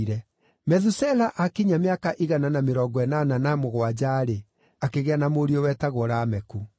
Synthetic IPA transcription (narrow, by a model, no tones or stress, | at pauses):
ɾɛ | mɛðusɛlaʔakiɲameakaʔiɣananameɾɔɡɔɛnananamoɣwad͡ʑaːɾe | akeɣeanamoɾiɔwɛtaɣoɾaːmɛku